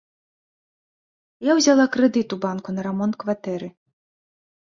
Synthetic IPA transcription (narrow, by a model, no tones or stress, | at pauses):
jawzʲalˠakɾɛd̪ɨt̪ubankunɐɾamɔnt̪̚kvat̪ɛɾɨ